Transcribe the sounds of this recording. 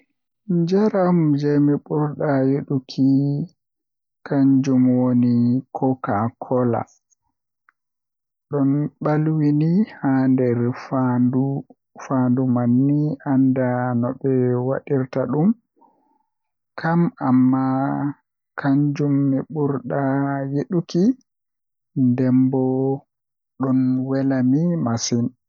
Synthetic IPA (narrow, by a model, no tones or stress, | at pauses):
d͡ʒaɾamd͡ʒɛmɛɓuɾɗajeɗukʰi | kaɲd͡ʒumwonikʰɔkakʰɔla̰ | ɗɔnɓalwinihandɛɾfadu | fandumanːiʔandanɔɓɛwa̰ɗiɾtaɗum | kʰamamːa | kʰaɲd͡ʒumnːɛɓuɾɗajeɗuki | ndɛmbɔ | ɗɔnwɛlamimasin